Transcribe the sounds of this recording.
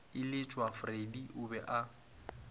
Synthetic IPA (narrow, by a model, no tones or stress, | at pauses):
ɪlɪt͡ʃʼwafrediʔʊbɛʔa